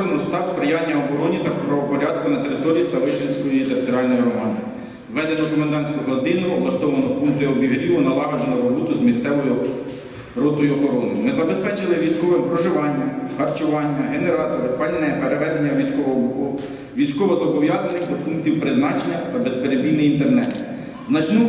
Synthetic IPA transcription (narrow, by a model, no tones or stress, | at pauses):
ɾenɔst̪ɑwspɾejɑnʲːɐɔbɔɾɔnʲit̪ɐpɾɐʋɔpɔɾʲɑd̪kʊnɐt̪eɾɪt̪ɔɾʲijist̪ɐʋɪʃenʲsʲkɔjjit̪eɾɪt̪ɔɾʲiɑlʲnɔjiɾɔmɑnd̪ɪ | ʋɛd̪enɔkɔmɐnd̪ɑnt̪sʲkɔɦɔd̪ɪnɪɔblˠɐst̪ɔʋɐnɔpuŋkt̪ɪɔbʲiɦɾʲiʋʊnɐlˠɑɦɐd͡ʒenɔɾɔbɔt̪ʊzmʲist̪sɛʋɔjʊ | ɾɔt̪ɔjʊɔxɔɾɔnɪ̰jmɪzɐbe̞spɛt͡ʃɪlˠɪʋʲijsʲkɔʋɛɔɦɾɔʒɪʋɑnʲːɐhɐrt͡ʃʊʋɑnʲːɐɦeneɾɑt̪ɔɾɪpɑlʲnɛpeɾeʋɛzenʲːɐʋʲijsʲkɔʋɔɦɔbukɔ | ʋʲijsʲkɔʋɔzɔbɔʋjɑzɐnɪxd̪ɔpuŋkt̪ʲiwpɾɪznɑt͡ʃenʲːɐt̪ɐbespeɾebʲijnɪjint̪ernɛt̪ | znɐt͡ʃnɔ